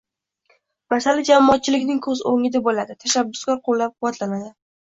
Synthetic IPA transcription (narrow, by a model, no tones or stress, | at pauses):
masalɪd͡ʒamːɒːt̪̚t͡ʃʰɪlɪkʲnɪŋkʰɵzoŋɪd̪abolad̪ɪt̪ʰaʃabːʊ̥skʲɒɾqʰolːap̚qʰʊwːat̪lanad̪ɪ